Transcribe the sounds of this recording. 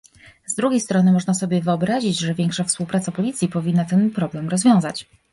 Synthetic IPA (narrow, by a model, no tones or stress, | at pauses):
zd̪ɾuɡʲejst̪ɾɔnɘmɔʐnasɔbʲjɛvɘɔbɾaʑid͡ʑʐɛvʲjɛŋkʂafspuwpɾat̪sapɔlʲit̪sʲjipɔvʲinːat̪ɛnpɾɔblɛmɾɔzvʲjɔ̃w̃zat͡ɕ